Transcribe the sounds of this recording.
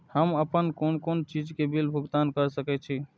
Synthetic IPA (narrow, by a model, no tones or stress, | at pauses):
həməpənkonkont͡ʃid͡ʒkebilbʱuɡt̪ankəɾsəkɛt͡ʃʰi